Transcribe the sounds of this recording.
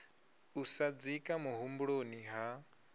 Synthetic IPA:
usad͡zikʼamuɦumbuɺoniɦa

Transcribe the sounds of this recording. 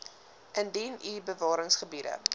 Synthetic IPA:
ʔəndinibəvɑːɾəŋsχəbidə̰

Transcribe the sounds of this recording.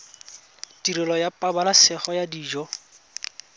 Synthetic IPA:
tiɾɪlɔjapʼabalasɪχɔjadiːd͡ʒɔ

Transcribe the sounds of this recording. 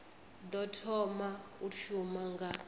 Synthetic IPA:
d̪ɔtʰɔmauʃumaŋɡa

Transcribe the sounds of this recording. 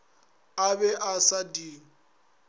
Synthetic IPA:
abɛʔasadi

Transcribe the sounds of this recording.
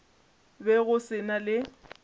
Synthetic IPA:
bɛɣʊsɪnalɪ

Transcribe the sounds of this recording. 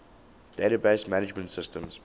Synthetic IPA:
d̥eɪɾabeɪsmænɪd͡ʒmə̃ntsɪstə̃mz̥

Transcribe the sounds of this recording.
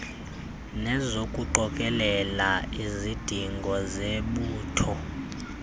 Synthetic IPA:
nɛzokʼuǃɔkʼɛlɛlaizid̥ʱiŋɡʱɔzeɓuːtʰɔ

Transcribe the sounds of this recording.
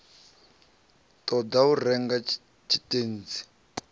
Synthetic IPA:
tɔdaurɛŋɡa | t͡ʃʰitʼen̩ːd͡zi̥

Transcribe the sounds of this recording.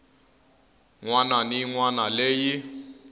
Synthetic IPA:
ŋwananiŋwanaleːji

